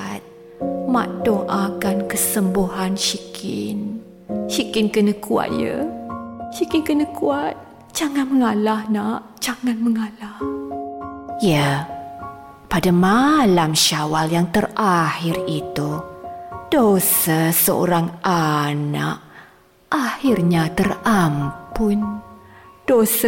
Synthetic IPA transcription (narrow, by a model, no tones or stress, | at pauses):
t̪̚ | mã̰ʔdoʔakankəsəmbuɦanʃikʰɪ̰n | ʃikɪnkənəkua̰t̪̚jə̰ | ʃikɪnkənəkuat̪̚ | d͡ʒaŋanməŋalahnaʔ | d͡ʒaŋanməŋalah | ja | padamalamʃawaljaŋt̪ərahɪrit̪u | d̥osəsəo̰ɾaŋana̰ʔ | ʔahirɲat̪ərampʊn | d̥osa